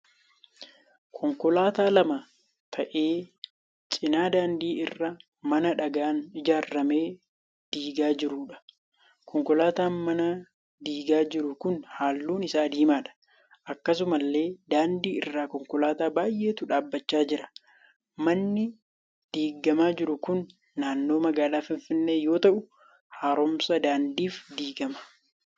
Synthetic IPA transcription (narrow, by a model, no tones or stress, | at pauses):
kʰɔŋkɔlaːt̪aːlɐma | t̪ʰɐʔe̞ː | t͡ʃʼɪnaːd̪aːnd̪iːɪrːɐ | mɐnɐᶑɐɡaːnd͡ʒaːrːɐme̞ː | d̪̥iːɡaːd͡ʒɪɾuːᶑɐ̥ | kʰɔŋkɔlaːt̪aːnmɐnɐ | d̪iːɡaːd͡ʒɪɾʊkʊnhaːlːuːnɪsaːd̪iːmaːᶑɐ̥ | ʔɐkːɐs̬ʊmɐlːe̞ːd̪aːnd̪iːɪrːaːkɔŋkɔlaːt̪aːbaːjʔe̞ːt̪ʊᶑaːbːɐt͡ʃːaːd͡ʒɪɾɐ̥ | mɐnːɪ | d̪̥iːɡɐmaːd͡ʒɪɾʊkʊnː | aːnːo̞ːmɐɡaːlaːfɪnfɪnːe̞ːjo̞ːt̪ɐʔʊ | haːɾɔmsɐd̪aːnd̪iːfd̪iːɡɐmɐ̥